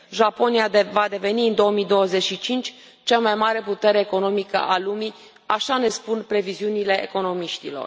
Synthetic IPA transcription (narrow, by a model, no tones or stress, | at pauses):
ʒapo̞niavad̪e̞ve̞niɨnd̪o̞əmid̪o̞wəze̞t͡ʃʃit͡ʃint͡ʃʲ | t͡ʃamajmaɾe̞put̪e̞ɾe̞ːko̞no̞mikə̰ʔalumi | aʃane̞spunpɾe̞viziunile̞ʔeko̞no̞miʃt̪ilo̞̰r